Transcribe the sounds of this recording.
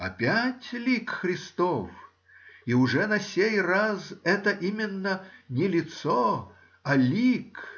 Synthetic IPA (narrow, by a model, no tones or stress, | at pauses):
ɐ̰pʲætʲlʲikxɾʲɪst̪of | iʊʐɛnɐsʲejrazɛt̪əʔimʲɪnːənʲɪlʲɪt̪so | ɐlʲik